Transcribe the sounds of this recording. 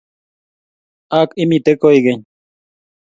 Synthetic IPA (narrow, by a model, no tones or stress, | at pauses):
akimit̪ekoiɡeɲ